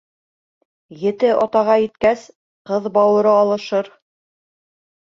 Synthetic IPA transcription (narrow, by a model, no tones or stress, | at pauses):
jɘ̆t̪ɘʔɑt̪ɑʁɑjɘ̆t̪̚kæs | qɤðbɑwɤ̆ɾɤɑlˠɤ̆ʃɤɾ